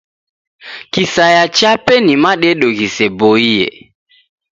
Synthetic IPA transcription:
kisajat͡ʃapɛnimaɗɛɗoɣisɛboijɛ̰

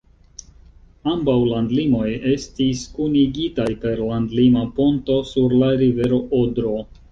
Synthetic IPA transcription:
ambawlandlimo̞je̞stiskuniɡitajpe̞ɾlandlimapo̞nto̞suɾlaɾive̞ɾo̞ʔodɾo̞

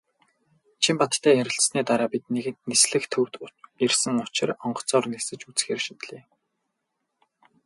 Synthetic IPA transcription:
t͡ɕʰimpat̪t̪ʰːæːjæɾʲɪ̆ɬsniːt̪aɾaːpit̪̚neɣɘ̆nt̪nesɮɘ̆xt̪ʰurt̪ersɘ̆ŋʊt͡ɕɪ̆rɔɴɢɞ̥̆t͡sɔːrnesɘ̆t͡ɕut͡sxeːrʃit̪ɮeː

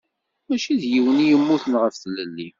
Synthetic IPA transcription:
mæʃiðjiwənijəmːuθənʁəfθəlːəlːi

